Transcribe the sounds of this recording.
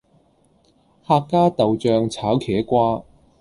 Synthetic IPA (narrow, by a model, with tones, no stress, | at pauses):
haː˧kkːaː˥t̪ɐ˨wt͡ʃœː˧ŋt͡sʰaː˨˥wkʰɛː˨˥kʷaː˥